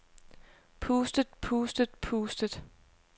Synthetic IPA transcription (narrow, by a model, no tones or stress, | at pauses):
pʰuːsd̥əd̥̚pʰuːsd̥əd̥̚pʰuːsd̥əd̥ˠ